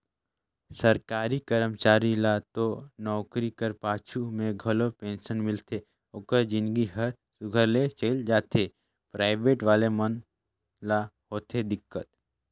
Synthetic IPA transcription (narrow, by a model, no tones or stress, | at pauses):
səɾkaːɾikəɾəmt͡ʃaːɾilat̪onɔːkɾikəɾpaːt͡ʃʰumẽɡʱəlopẽːnʃənmɪlt̪ʰe | okəɾd͡ʒɪ̃nɡiɦəɾ | sʊɡʱəɾlet͡ʃeɪld͡ʒaːt̪e | pɾaːɪbeːʈʋaːlemən | laɦoːt̪ed̪ɪkːət̪